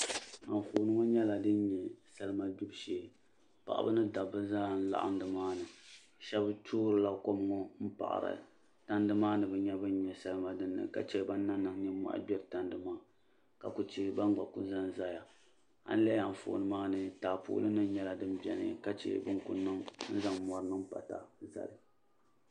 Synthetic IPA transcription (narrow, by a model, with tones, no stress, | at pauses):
a˨ɱ˨fo˨˦nɨ˦ŋɔ˦ɲɛ˦la˨dɨ˦n˦ɲɛ˨sa˦lɨ˦ma˨du˦bʃeː˨˦ | pa̰˨ʔa̰˨bɨ˦nɨ˦da˨bɨ˦zaː˦˨n̩˦la̰˨ʔa̰˦n˦dɨ˨maː˦nɨ˨ | ʃɛ˦btʰuː˦ɾɨ˨la˦ko˦m˦ŋɔ˦m̩˦pa̰˨ʔa̰˨ɾɨ̰˨ | ta˦n˦dɨ˦maː˦nɨ˨bɨ˨ɲɛ˦bɨ˦n˦ɲɛ˨sa˦lɨ˦ma˦dɨ˦nːɨ̰˨ka̰˦t͡ʃɛ˦ba˦nː˦a˦nːɨ˨ŋ˦ɲɛ˦ma̰˦ʔbʲɛ˦ɾɨ˨ta˨ndɨ˦maː˦ | ka˨ku˨t͡ʃe˦ba˦ŋ˦ɡ͡ba̰˨ku˦za˦n˦za˦ja˨ | a̰˦n˦lɛ˦ja˨m̩˨fʊ̰˨ʔnɨ˦maː˦nɨ˨taː˨pṵː˨˦lɨ˦nɨ˦ɲɛ˦la˨dɨ˦mbɛ˨nɨ̰˦ka˦t͡ʃḛ˨bɨ˦ŋku˨nɨ˦ŋn̩˦za˦ŋmɔ˨ɾɨ˨˦nɨ˦m˦pa̰˨ta̰˨za̰˨lɨ˨